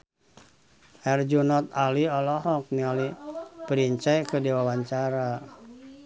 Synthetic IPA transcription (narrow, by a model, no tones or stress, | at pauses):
ʔɛrd͡ʒunɔt̪̚aliɔlɔɦɔk̚nialipəɾiɲt͡ʃɛkədiwawaɲt͡ʃaɾa